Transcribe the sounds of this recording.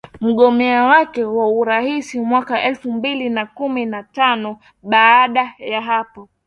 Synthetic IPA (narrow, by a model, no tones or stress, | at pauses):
m̩ɠɔmɛawakɛwauɾahisimwakaʔɛlfumbilinakuminatanɔ | ɓaːɗajaɦapɔ